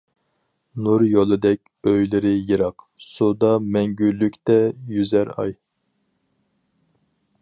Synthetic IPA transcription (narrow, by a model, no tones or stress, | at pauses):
nuɾjolˠɨd̪ɛkʲøjlɪɾɪjeɾɑq | sud̪ɑmɛŋɡʲylːykʲt̪ɛjyzæɾɑ̰j